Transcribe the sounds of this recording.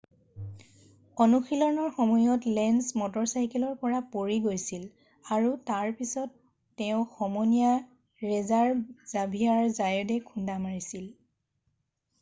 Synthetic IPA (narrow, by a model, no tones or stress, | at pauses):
ɔnuxilɔnɔɹxɔmɔjɔtlɛnsmɔtɔɹsajkɛlɔɹpɔɹapoɹiɡojsil | aɹutaɹpisɔtː | ɛʊ̃xɔmɔnija | ɹɛzaɹz̥abʱiaɹzajɔdɛkʰundamaɹisil